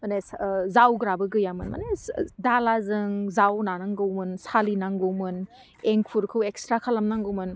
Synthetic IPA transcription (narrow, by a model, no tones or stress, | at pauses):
mɐneszawɡɾabɯɡɯjamɯnmɐ̰nedalazɯŋzawnanaŋɡɯwmɯnsalinaŋɡɯwmɯn | eŋpʰuɾkʰɯwekstɾakʰalamnaŋɡɯwmɯn